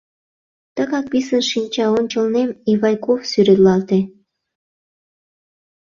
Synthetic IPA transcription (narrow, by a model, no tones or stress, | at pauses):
t̪ə̆kɑk̚pisə̆nʃinʲt͡ɕɑonʲt͡ɕə̆lnemiβɑjkofsyɾet̪lɑlt̪e